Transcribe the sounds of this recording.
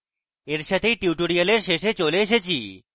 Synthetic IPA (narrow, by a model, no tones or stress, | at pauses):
eɾʃat̪ʰejʈiuʈoɽiəleɾʃeʃet͡ɕoleeʃet͡ɕʰi